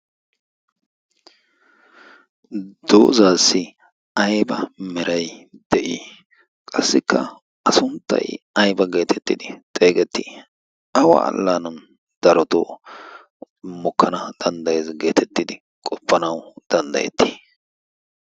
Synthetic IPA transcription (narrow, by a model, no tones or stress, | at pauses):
d̪̥o̰ːzaːsːɪ | ɐjbɐmɛɾɐjd̪̥ɛʔiː | kʼɐsːɪkʰːɐ̰ | ɐsʊnt̪ːɐ̰jɐjbɐɡe̞ːt̪ʰɛt̪ːɪd̪ɪt̪ʼe̞ːɡɛt̪ːi | ɐwɐ̰ɐ̰lːanɐn | d̪̥ɐɾɔt̪o | mɔkːɐnɐd̪̥ɐnd̪ɐjezɡe̞ːt̪ʰɛt̪ːɪd̪ɪ | kʼɔpːɐnɐwd̪̥ɐnd̪ɐ̰jɛ̰t̪ːi̥ː